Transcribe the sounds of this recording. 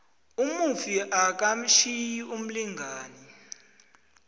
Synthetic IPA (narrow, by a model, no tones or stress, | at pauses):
umufiʔak̬am̩ʃijium̩liŋʱaːni